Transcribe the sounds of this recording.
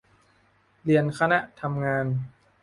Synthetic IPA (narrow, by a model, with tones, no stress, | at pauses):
li˧ənkʰa˧na˦˥ʔt̪ʰa˧mŋaː˧n